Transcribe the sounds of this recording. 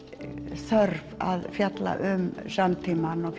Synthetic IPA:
sœɾva̰ðfjat̪la̰ʔʏmsamt̪ʰimanɔɣf

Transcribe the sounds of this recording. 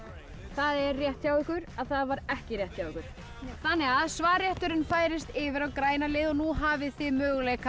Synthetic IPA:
θaðɛɾrjɛht̪çjawʏhkʏɾaðθaðvaɾɛhcɪrɾjɛht̪θjawʏhkʏɾ̥ | θanːɛɣaðsvaːɾjɛht̪ʏɾɪnfaːjɾɪst̪ɪvɪɾawkɾaːjnalɪːðɔnuɦaːvɪθɪðmœːɣleka

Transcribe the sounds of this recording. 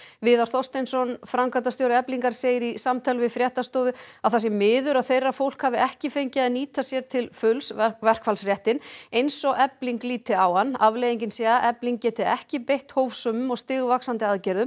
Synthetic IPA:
vɪːðaɾ̥θɔst̪ɛnsɔnfɾamkʰant̪ast̪jowɾaɛpliŋkaɾ̥seːjɪɾisamt̪ʰalvɪfɾjɛht̪ast̪oːvʏaðθasjɛmːɪːðʏɾaðθejrːafowl̥khavɪɛhcɪfejɲcɪaðniːt̪asjɛɾ̥t̪ʰɪlfʏlsvɛr̥kʰfalsrjɛht̪ɪnejnsɔɣɛpliŋkliːt̪ɪawhanːavlejðiɲcɪnsɛːɣaʔɛpliŋkcɛːt̪ɪɛ̰hcɪpejht̪hoːwfsʏːmʏmɔɣst̪ɪːɣʏvaksant̪ɪaðcɛɾðʏm

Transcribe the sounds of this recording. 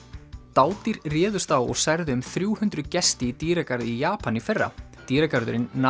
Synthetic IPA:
t̪aːwt̪iɾrɛːðʏst̪awɔ̰ɣsajɾðɪʏmθɾjuːhʏnt̪ɾʏcɛst̪ɪit̪iːɾakaɾðɪijaːpʰanifɛrːa̰ | t̪iːɾakaɾðʏ̰ɾɪnː

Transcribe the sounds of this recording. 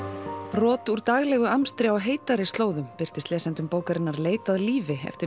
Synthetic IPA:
pɾɔːt̪uɾt̪aɣlɛɣʏamst̪ɾɪawɦeːjt̪aɾɪst̪loːwðʏmpɪr̥t̪ɪst̪lɛːsɛnt̪ʏmpoːwkaɾɪnːaɾleːjt̪aðliːvɪɛ̰ft̪ɪ

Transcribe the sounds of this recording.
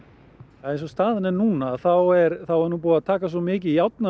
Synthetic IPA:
aejnsɔst̪aːðɪnɛnuːnaːθawɛɾθawɛɾnuːp̬uːat̪ʰaːkas̬ɔmɪːcɪjawt̪na

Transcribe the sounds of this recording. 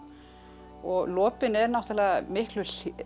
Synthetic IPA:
ɔɣlɔːpɪnɛɾnawht̪ɪlɛːɣamɪhklʏ

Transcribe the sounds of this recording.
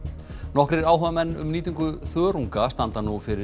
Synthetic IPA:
nɔhkɾɪɾaːwɦœvamɛnːʏ̰mniːt̪iŋkʏθœːɾuŋkast̪ant̪anufɪɾɪ

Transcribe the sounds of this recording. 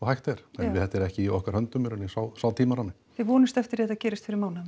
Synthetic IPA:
ɔhajht̪ɛɾ̥ɛnvɪðhɛht̪aɛɾɛhcɪiɔhkaɾ̥hœnt̪ʏmɛɾʏnisaːwsaːwt̪ʰiːmaɾanːɪ | θɪvɔːnɪst̪ɛft̪ɪɾɛt̪acɛːɾɪst̪fɪɾɪɾmaːwnam

